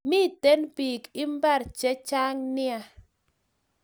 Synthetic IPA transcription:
mi˦˨te˦npi˨kɪ˦mba˦ɾt͡ʃɛ˦t͡ʃa˦ŋnɪ˦a˨

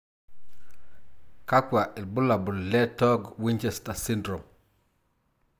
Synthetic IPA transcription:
ka˦kwa˨ʔɪ˨lbʊ˦la˨bu˨llɛ˦tɔ˦ɡwi˦ɲt͡ʃe˦sta˨si˦ndɾo˨m

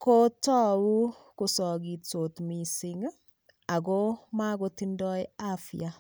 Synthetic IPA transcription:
ko˦tɔ˦wu˦ | ko˨sɔ˨ɡi˨tso˨tmi˨sɪ˦ŋ | a˨ɣo˦ma˦ɣo˦ti˦ndɔ˦ja˦fj̰a˦

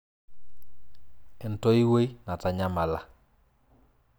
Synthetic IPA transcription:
ɛ˨ntɔ˦i˦we˦jna˨ta˨ɲa˦ma˨la˦

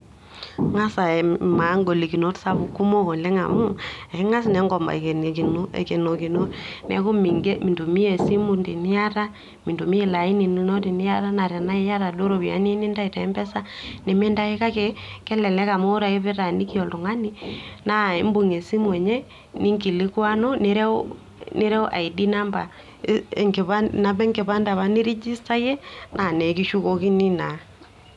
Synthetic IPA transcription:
ŋa˦sa˨ma˨˦ŋɡo˨li˨ki˨no˦tsa˦βu˨ku˦mo˦ko˨le˦ŋa̰˨mu˦ɛ˨˦ŋa˦snɛ˨˦ŋɡɔ˨mba̰˨ke˨n˨ki˨no˦ḛ˨ke˨no˨ki˨no˦nɛ̰˨˦ko˦mi˨ŋɡe˦mi˨ndo˨mi˦e˨si˦mu˦ndi˨ni˦a˦ɾa˦ | mi˨ndo˨mi˦e˨la˨i˦ni˨n˦no˦ti˨ni˦ja˦ɾa˦na˨ɾja˨na˦e˦ja˦ɾa˨do˦ɾo˨βi˨a̰˨˦n˦e˦ni˦nda˦i˨ta˨ɛ˦mbɛ˦sa˦ne˨me˦nda˦e˦ka˦ke˨kɛ˦lɛ˨lɛ˦ka˨mo˦ɾa˨e˦βe˦ɾa˨ni˦ki˦ɔ˨lo˨ŋa˦ni˦na˦e˦mbu˨ŋe˨si˦mwɛ˨ɲɛ˦ | ni˦ŋki˨li˦kwa˦no˦ne˦ɾɛ˦ | ne˦ɾɛ˦ɔ˦ʔa̰˨i˨di˦na˦mba̰˨ | ŋke˨βana˨βɛ˦ŋke˨βa˦nda˨βa˦ni˦ɾi˦d͡ʒi˦sta˦jɛ˦nʔa˨nɛ˨ki˦ʃu˦ko˨ki˦ni˦na˨

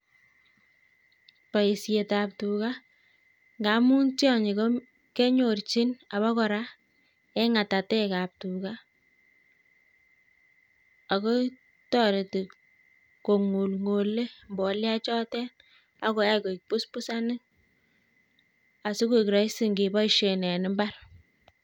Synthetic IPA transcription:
pa˨i˨sje˨ta˨p̚tu˨ka˦ | ŋɡa˨˦mu˦ntjɔ˦ɲi˨kɔ˦ | ke˦ɲo˨rt͡ʃi˦na˨βɔ˦kɔ˨ɾa˦ | ɛ˦ŋa˨ta˨tɛ˦ka˨p̚tu˨ka˦ | a˨ko˦ | tɔ˦ɾe˨ti˨ | ko˨ŋu˨lŋo˨le˦mbɔ˨˦lja˦t͡ʃɔ˦tɛ˦n | a˦kɔ˨ja˦ko˨i˨k̚pu˦spu˦sa˦nɪ˦k̚ | a˨su˦ku˦˨kɾɔ˨i˦si˦˨ŋɡe˨bɔ˦i˨ʃe˨nɛ˨nɪ˦mba˦ɾ

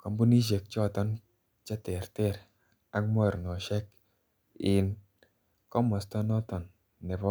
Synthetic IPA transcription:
kɔ˨mbu˦ni˦ʃ̬e˨k̚t͡ʃɔ˦˨tɔ˦n | t͡ʃɛ˦tɛ˨ɾtɛ˦˨ɾ | a˦km˦a˦˨ɾnɔ˨ʃɛ˦k̚ | ɪ˨n | kɔ˦mɔ˨stɔ˦nɔ˦tɔ˨nː | ɛ˨bɔ˦

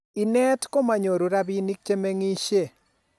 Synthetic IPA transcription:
i˨nɛ˦tko˦ma˨ɲo˨ɾu˨ɾa˦bi˦ni˦k̚t͡ʃe˦me˦ŋi˦ʃe˦˨

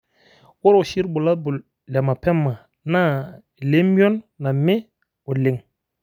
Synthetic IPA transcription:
wo˦ɾo˨ʃi˦ɾbu˨la˦bu˨ | lɛ˨ma˨pɛ˦mːa˨ | na˦˨ | le˦m˦o˦nːa˨me˦ | o˨le˨ŋ

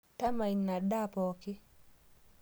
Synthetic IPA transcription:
ta˦ma˨i˨nna˨da˦pɔ˨kɪ˦

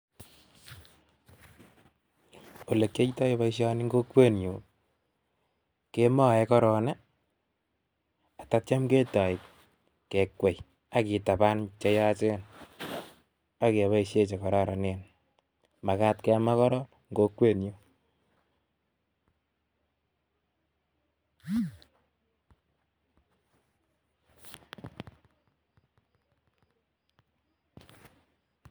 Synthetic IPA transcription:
o˨le˨kje˦i˦ta˦e˦βa˦i˦ʃja˦ni˦ŋɡo˦kwe˦njo˨ | ke˦mɔ˦˨ɛ˨˦kɔ˦ɾɔ˨nɛ˦ | a˨ta˦tja˦mke˦ta˨i˨k | ke˨kwe˨j | a˨ki˨ta˨ba˦nt͡ʃe˦ja˦t͡ʃe˦n | a˦ke˨βa˦i˦ʃje˦t͡ʃe˨kɔ˨ɾa˦ɾa˨ne˨n | ma˨ka˦tkɛ˦a˦ma˦kɔ˦ɾɔ˦ | ŋɡo˦kːwe˦˨njo˦

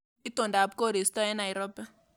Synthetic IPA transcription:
i˦to˨nda˨b̚ko˦˨ɾi˨stɔ˦ɛ˦na˨jɾɔ˦bɛ˦

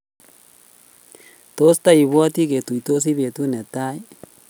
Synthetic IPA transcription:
to˦st̪a˦i˨βwa˦ti˦ke˨tu˨i˨t̪o˦s̬i˦βe˨t̪u˦ne˨t̪a˦i˦

